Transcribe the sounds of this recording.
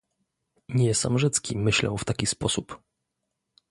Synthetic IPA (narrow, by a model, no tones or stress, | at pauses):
ɲɛsamʐɛt̪skʲimɘɕlɛ̰wft̪akʲispɔsup